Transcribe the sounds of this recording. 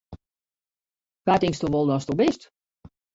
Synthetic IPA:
katɪŋstoʋolˠdɔstobɪst

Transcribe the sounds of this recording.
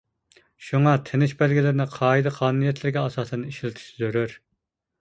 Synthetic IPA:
ʃuŋɑt̪ʰenɪʃbɛlɡʲilɪɾɪnɪqʰɑːid̪ɨqʰɑːnunijɛt̪ʰlɪɾɡʲɛɑsɑːsɨniʃilɪt̪ʰɪ̥ʃzøɾyɾ

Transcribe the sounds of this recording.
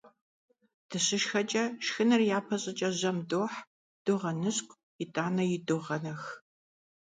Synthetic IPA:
d̥ɨɕɪʃxɐt͡ʃʼɐʃxɨnɨrjaːpʰɐɕʼɐt͡ʃʼɐʑɐmdoːħ | d̥ʊʁɐnɨɕkʷʼ | jɪtʼaːnɐjɪdʊʁɐnɐx

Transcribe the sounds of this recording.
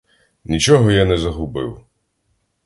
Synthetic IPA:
nʲit͡ʃɔɦɔjanɛzɐɦʊbɪ̰w

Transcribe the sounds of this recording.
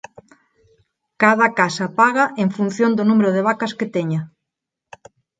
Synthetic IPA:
kaðɐkasapaɣaʔeɱfun̟θjond̪onumeɾoð̞eβ̞akɐsket̪eɲa

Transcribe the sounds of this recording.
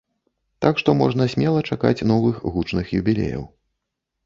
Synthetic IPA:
t̪akʂt̪ɔmɔʐnɐsʲmʲɛlˠɐt͡ʂaka̰t͡sʲnɔvɨxɣut͡ʂnɨxjubʲilʲɛ̰jɐ̰w

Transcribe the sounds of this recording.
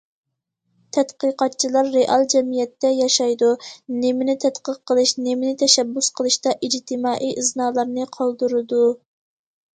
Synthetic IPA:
t̪ʰɛt̪qəqɑt̪̚t͡ʃʰilˠɑɾːeʔɑlˠd͡ʒɛmijɛt̪ːɛjɑʃɑjd̪unemɪnɪt̪ʰɛt̪qəqːəlˠɨʃnemɪnɪt̪ʰɛʃɛbːʊsqʰəlˠɨʃt̪ɑʔid͡ʒt̪ʰɨmɑːʔiʔɨsnɑːlˠɑɾnɨqʰɑlˠd̪ɨɾɨd̪u

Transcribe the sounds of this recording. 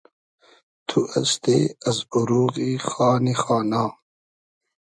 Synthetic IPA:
t̪ʰuʔɐ̰st̪eɐzuɾuːɣixaːnixaːnaː

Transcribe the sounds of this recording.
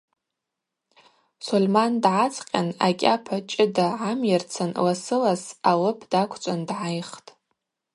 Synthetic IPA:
solmandʕat͡sʰqʲʼanakʲʼapʰat͡ʃʼɪdaʕamjart͡sʰanlasɨlasalɨpʰd̥akʷʰt͡ʃʷʼandʕajχtʼ

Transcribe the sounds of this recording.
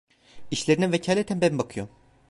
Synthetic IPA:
iʃlʲeɾinɛvecʰaːlʲet̪ʰænbænbakʰɯjom

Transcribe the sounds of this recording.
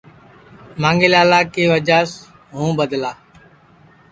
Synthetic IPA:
mãːŋɡeːlaːlaːkeːʋəd͡ʒaːs | ɦũːbəd̪laː

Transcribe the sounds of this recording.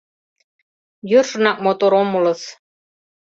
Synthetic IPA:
jørʃɤ̆nɑk̚mot̪oɾomulɤ̆s

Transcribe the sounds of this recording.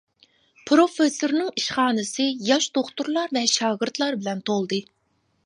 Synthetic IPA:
pʰɾofesoɾnɨŋiʃχɑːnɨsɨjɑʃd̪̥oχt̪uɾlˠɑɾvɛʃɑːɡɪɾt̪lˠɑɾbɪlɛnt̪ʰolˠd̪ɨ

